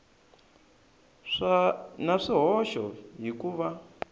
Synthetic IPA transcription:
ʂanaʂiɦɔʃɔɦikuʋa

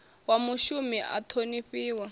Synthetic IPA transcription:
wamuʃumiʔa̰tʰoniɸiːwa

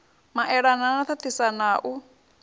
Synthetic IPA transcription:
maʔɛɺananat̪ʰat̪ʰisanaʔu

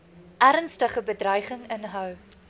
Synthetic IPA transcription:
ʔæɾənstəχəbədrœjχəŋənɦœw

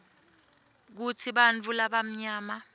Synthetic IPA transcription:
k̬utʰiɓant͡fʰulaɓam̩ɲaːma

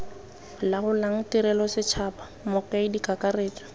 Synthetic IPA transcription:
laɣʊlaŋ̩tiɾɛlɔsɪt͡ʃʰapa | mɔkaɪdikakareːtḁ

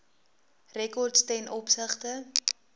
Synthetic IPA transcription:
rɛkɔrtstɛnʔɔpsəχtə

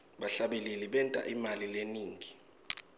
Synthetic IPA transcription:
ɓaɬaɓililiɓɛntʼa̰ʔimalileniːŋʱi

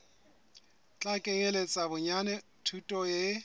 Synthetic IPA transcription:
t͡ɬʼakʼɛŋelet͡sʼabʊɲanɛ | tʰutʼɔje

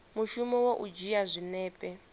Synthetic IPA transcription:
muʃumɔwoʔud͡ʒijazʷinɛːpʼɛ

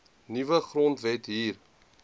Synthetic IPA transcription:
nivəχrɔntvɛtɦiːr

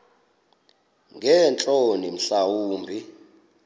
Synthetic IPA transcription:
ŋɡɛnt͡ɬʼonim̩ɬawuːmbʱi

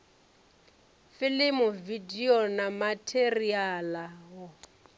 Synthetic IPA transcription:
fɪlɪmʊvidiɔnamatʰerialaɦɔ

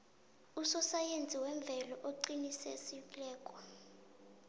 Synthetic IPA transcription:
usɔsajend͡zʱiwɛɱb̪vʱɛlɔʔoǃinisɛ̰silɛːkʼɔ

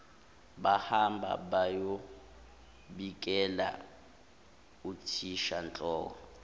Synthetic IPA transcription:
ɓahambʱa̰ɓajo | ɓikʼɛla̰ | utʰiʃant͡ɬʼɔːkɔ

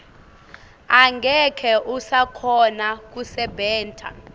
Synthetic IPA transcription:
aŋɡʱɛkʰɛʔusakʰɔnak̬usɛbɛːntʰʼa̰

